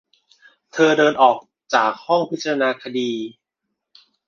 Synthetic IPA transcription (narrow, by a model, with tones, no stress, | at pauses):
t̪ʰɤː˧dɤː˧nʔɔː˨˩k̚ | t͡ɕaː˨˩k̚hɔ˥˩ŋpʰi˦˥t͡ɕa˧ɾa˧naː˧kʰa˧diː˧